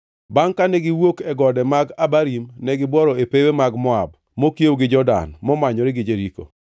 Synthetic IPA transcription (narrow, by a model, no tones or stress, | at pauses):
baŋkanɛɡɪwokɛɡɔdɛmaɡabaɾimnɛɡɪbwɔɾɔepewemaɡmɔa̰b̚ | mokjewɡɪd͡ʒɔda̰nmɔmaɲɔɾɪɡɪd͡ʒeɾiko̰